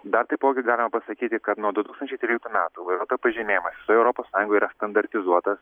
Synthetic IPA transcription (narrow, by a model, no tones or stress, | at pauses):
d̪ɐɾt̪ɐɪpoːɡʲɪɡɑːlʲɪmɐpɐsɐkʲiːt̪ʲɪkɐt̪nuɔd̪ʊt̪uːkst̪nʲt͡ʃʲɛɪt̪ɾʲiːlʲɪkt̪uːmʲæːt̪uɪʋɐɪɾuɔt̪opɐʒʲɪmʲeːjɛmɐsʋʲɪ̥soːjɛʊɾɔpoːssɑːjʊ̃ŋɡoɔiːɾɐst̪ɐnd̪ɐɾʲt̪ʲɪzuɔt̪ɐs